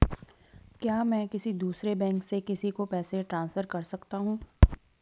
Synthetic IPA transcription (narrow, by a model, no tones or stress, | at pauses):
kjaːmɛ̃ːkɪsid̪uːsɾebɛ̃ːŋksekɪsikopɛːseʈɾãːnsfəɾkɐɾsɐkt̪aɦũː